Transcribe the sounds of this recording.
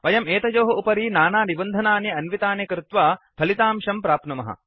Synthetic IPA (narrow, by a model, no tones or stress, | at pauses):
ʋɐjɐmeːt̪ɐd͡ʒoːɦɐupɐɾiːnaːnaːnibɐnd̪ʱɐnaːnjɐɐnʋit̪aːnjɐkɾɪt̪ʋaːp̪ʰɐlit̪aːmʃɐmpɾaːpnɐmɐɦɐ̰